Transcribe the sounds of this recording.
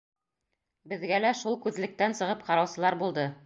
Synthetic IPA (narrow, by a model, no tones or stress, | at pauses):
bɘ̆ðɡælæʃulˠkʉðlɘ̆k̚t̪ænsɤ̆ʁɤpqɑɾɑwsɤ̆lˠɑɾbulˠd̪ɤ